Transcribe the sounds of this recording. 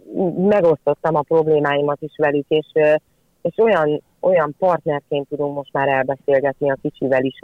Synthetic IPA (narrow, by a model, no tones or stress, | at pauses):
mɛɡo̞st̪o̞t̪ːɒmɒpro̞bleːmaːjimɒt̪iʃʋɛlykeːʃ | eːʃo̞jɒn | o̞jɒmpɒrt̪nɛrkeːnt̪ːud̪uŋkmo̞ʃt̪maːɾɛlbɛseːlɡɛt̪niɒkit͡ʃivɛliʃ